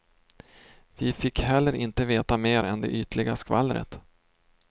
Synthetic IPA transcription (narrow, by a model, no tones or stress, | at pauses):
vɪfɪkːhɛlːəɾʔɪnt̪əveːt̪ameːɾʔɛnd̪ɛ̰ʔyːt̪əlɪɡaskva̰lːɾə̰t̪